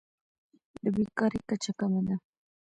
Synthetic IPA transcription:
d̪əbikaɾikat͡ʃakamad̪a

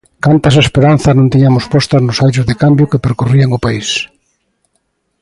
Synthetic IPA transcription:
kant̪ɐsaespeɾan̟θɐnõnt̪iɲamʊspɔst̪ɐznʊsajt͡ʃʊzðekambjʊkepeɾkoriaŋʊpais

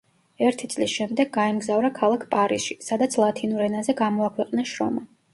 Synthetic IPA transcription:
ɛɾt̪ʰit̪sʼlisʃɛmd̪ɛɡːaɛmɡzavɾakʰalˠakʰpʼaɾisʃisad̪at̪sʰlˠat̪ʰinuɾɛnazɛɡamɔakʰwɛqʼnaʃɾɔ̰ma

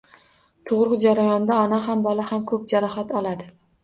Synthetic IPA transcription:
t̪ʰoʁɾɨqd͡ʒaɾajɒnd̪aɒnaɦambɒlahamkʰɵp̚d͡ʒaɾɒhat̪ɒlˠad̪ɪ

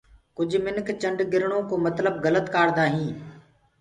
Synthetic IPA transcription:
kʊd͡ʒʱmɪnkt͡ʃəɳɖɡɪɾɳõːkoːmət̪ləbɣələt̪kaːɽd̪aːɦĩː

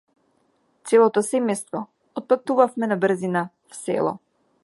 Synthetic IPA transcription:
t̪sɛlˠɔt̪ɔsɛmɛjst̪vɔ | ɔt̪̚pat̪uvafmɛnabr̩zina | fsɛ̰lˠɔ̰

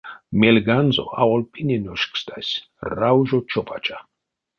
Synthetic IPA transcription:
melɡanzo̰a̰ɔlpʼinʲɛnʲɔʃkʰʼst̪asʲ | rawʒɔt͡ʃʰɔpʼat͡ʃʼa

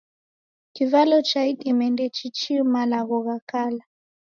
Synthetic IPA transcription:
kivalɔt͡ʃaiɗimɛndɛt͡ʃit͡ʃiumalaɣɔɣakala

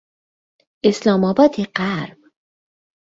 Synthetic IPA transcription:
ʔeslɒːmɒːbɒːt̪ʰeɢæɾb̥

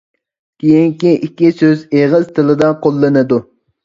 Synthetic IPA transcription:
kʲʰejiŋkʲiʔikʲːisøzeʁɨz̥t̪ʰɨlˠɨd̪ɑqʰolˠːɨnɨd̪u

